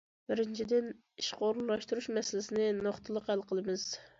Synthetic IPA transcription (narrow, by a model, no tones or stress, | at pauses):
bɪɾɪnt͡ʃʰid̪ɪn | iʃqʰoɾullˠɑʃt̪uɾuʃmɛsɪlɪsɪnɪnoχt̪ʰɨlˠəqhælˠqʰəlˠɨmɨz̥